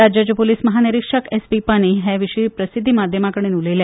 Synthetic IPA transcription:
ad͡ʑjat͡ɕəpoliːsməɦaniɾikʂəkespipaɳ̃iɦɛʋiʂipɾəsid̪ʱːimad̪ʱjəmakəɽ̃enulele

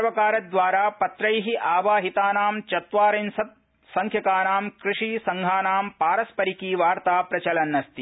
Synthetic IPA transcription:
ɐʋɐkaːɾɐd̪ʋaːɾaːpɐt̪ɾɐjɦiʔaːʋaːɦit̪aːnaːmt͡ʃɐt̪ʋaːɾɐnsɐt̪̚ | sɐŋkʰjɐkaːnaːmkɾiʂiːsɐŋɡʱaːnaːmpaːɾɐspɐɾikiːʋaːɾt̪aːpɾɐt͡ʃɐlɐnːɐst̪i

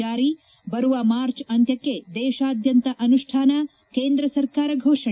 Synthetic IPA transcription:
aːɾi | bɐɾuʋɐmaːɾt͡ʃɐnt̪jɐkːed̪ɛːʃaːd̪ʱjɐnt̪ɐʔɐnuʂʈʰaːnɐ | keːnd̪ɾɐsɐɾkaːɾɐɡʱoːʂɐ

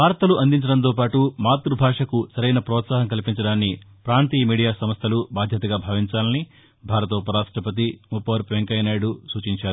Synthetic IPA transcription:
ʋaːɾɐt̪ɐluʔɐnd̪iɲt͡ʃɐɽɐnt̪̬oːpaːʈumaːt̪ɾubʱaːʂɐkusɐɾɐjnɐpɾɔːt̪saːɦɐŋkɐlipiɲt͡ʃɐɽaːnːi | pɾaːnt̪iːmiːɽijaːsɐmɐst̪ʰɐlubaːd̪ʱjɐt̪ɐɡaːbʱaːʋiɲt͡ʃaːlɐni | bʱaːɾɐt̪̬ɐɔpɐɾaːʂʈɐpɐt̪̬imupːɐʋɐɾpʋeŋkɐjnaːjɽusuːt͡ʃiɲt͡ʃaːɾu

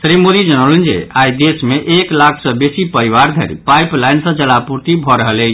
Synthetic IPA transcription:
sɾimoɾid͡ʒənəlnd͡ʒḛajd̪esmeʔeklakʰsəbesipəɾiʋaɾd̪ʱə̰ɾḭpajplajnsə̃t͡ʃəlapuɾt̪ibʱɔɾəɦəle

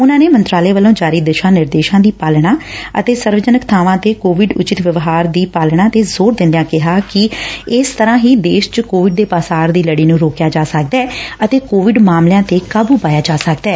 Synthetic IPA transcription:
ʊnãːneːmə̃nt̪ɾaːleːʋəlõːd͡ʒaːɾiːd̪ɪʃãːnɪɾd̪eːʃãːd̪iːpaːlɽ̃aːə̰t̪eːsəɾʋəd͡ʒənəkt̪ʰaːʋãːt̪eːkoːʋɪɖʊ̰t͡ʃɪt̪ʋəʋɦaːɾd̪iːpaːlɳaːt̪eːzoːɾd̪ɪ̃nd̪jãːkɪɦaːkɪɪst̪əɾãːɦiːd̪eːʃt͡ʃəkoːʋɪɖ̚d̪eːpaːsaːɾd̪iːləɽiːnũːɾoːkjaːd͡ʒaːsəkd̪ɛːət̪eːkoːʋɪɖmaːmljãːt̪eːkaːbuːpaːjaːd͡ʒaːsəkd̪ɛː

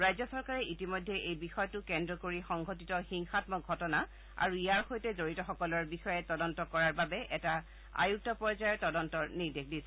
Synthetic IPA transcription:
ɹajzɔsɔɹkaɹɛʔitimojdʱːɛʔejbixɔjɔtʊkɛndɹɔkoɹixɔŋɡʱɔtitɔxiŋxatmɔɡʱɔtɔna | a̰ɹuijaɹxojtɛzoɹitɔxɔkɔlɔɹbixɔjɛtɔdɔntɔkɔɹaɹbabɛʔɛta | a̰juk̚tɔpɔɹzajɔtɔdɔntɔɹnidek̚ʰdisɛ

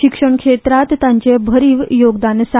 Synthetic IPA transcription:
ikʂəɳkʂet̪ɾat̪ːãɲt͡ɕebʱəɾiːʋjoɡd̪ansa

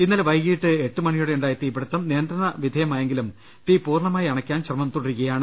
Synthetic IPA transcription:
inːɐlʋɐjɡiːʈːɨeʈːumɐɳijuɽeuɳɖaːjɐt̪ːiːbiɽut̪ːɐmnijːnd̪ɾɐɳɐʋid̪ʱɐjɐmaːjeŋɡilum | t̪iːpuːrɳɐmaːjiɐɳɐkʲːaːnɕrɐmɐmt̪uɽeɾukːɐjaːɳɨ

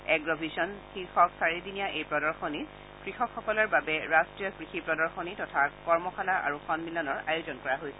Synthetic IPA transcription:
ɛɡɹɔbʱisɔnxixɔksaɹidinijaʔejpɹɔdɔɹxɔni | kɹixɔkxːɔkɔlɔɹbabɛɹastɹijɔkɹixipɹɔdɔɹxɔnitɔtʰakɔɹmɔxʰalaʔa̰ɹuxʰɔnmilɔnɔɹajʊzɔnkɔɹaɦojsɛ̥

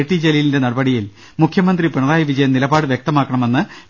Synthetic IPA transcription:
ʈ̪ːid͡ʑelilinde̞nɐɽɐbɐɽijil | mukʰjɐmɐnd̪ripiɳɐðaːjɐʋid͡ʑɐjɐmnilɐbaːɽɨʋjek̚t̪ɐmaːkːɐɳɐme̞nːɨ

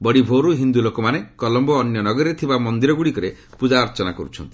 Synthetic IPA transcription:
bɔɽibʱoɾuɦind̪ulokɔmanekɔlɔmbɔːnjɔnɔɡɔɾiɾet̪ʰibamɔnd̪iɾɔɡuɽikɔɾe | pud͡ʒaɾɔt͡ʃɔnakɔɾut͡ʃʰɔnt̪i̥

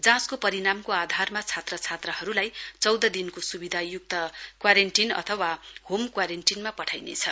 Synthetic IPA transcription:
d͡zãskopʌɾinamkoad̪ʱarmat͡sʰat̪rʌt͡sʰat̪rʌɦʌɾulajt͡sʌwd̪ʌd̪inkosubid̪ʱajuk̚t̪ʌkwaɾeɳʈinʌ̰t̪ʰʌwahomkwaɾenʈinmapʌʈʰajnḛt͡sʰʌ

